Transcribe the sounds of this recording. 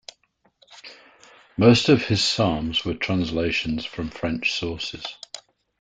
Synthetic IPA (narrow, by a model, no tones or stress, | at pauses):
məʊstəv̥ɪz̥sɑːmzwətʰɹ̥ãnsleɪʃə̃nz̥fɹə̃ɱfɹɛ̃nt͡ʃsɔˑsɪ̰z̥